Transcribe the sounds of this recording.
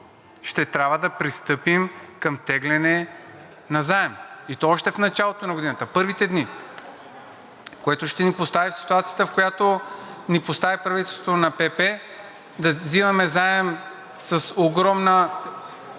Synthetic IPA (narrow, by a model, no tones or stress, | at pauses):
ʃt̪ɛt̪ɾʲabvəd̪ɐpɾist̪ɤpimkɐmt̪ɛɡlɛnɛ | nɐzaɛmit̪ɔɔʃt̪ɛfnɐt͡ʃalˠot̪onɐɡod̪inət̪əpɤɾvit̪ɛd̪ni | koɛt̪oʃt̪ɛnipost̪avifsi̥t̪uat̪sijət̪əfkojat̪onipost̪avipɾɐvit̪ɛlˠst̪ot̪onɐpɛpɛ | d̪ɐzivɐmɛzaɛm | sɐsoɡɾɔmnə